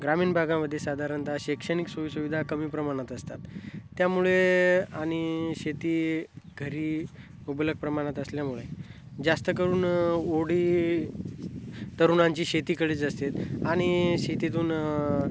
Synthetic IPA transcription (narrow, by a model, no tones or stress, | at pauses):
ɡɾamiːnbʱaɡaməd̪ʱːjesad̪ʱaɾənt̪aɕekʂəniksuʋisuʋid̪ʱakəmiːpɾəmaɽ̃at̪əst̪at̪ːjamuɭeaɽ̃iɕet̪iːɡʱəɾiː | ubələɡ̚pɾəmaɽ̃at̪əsljamuɭe | d͡zast̪əkəɾuːnoɽiː | t̪əɾunãɲt͡ɕiːɕet̪iːkəɽit͡səst̪et̪aɽ̃iɕet̪it̪̬uːn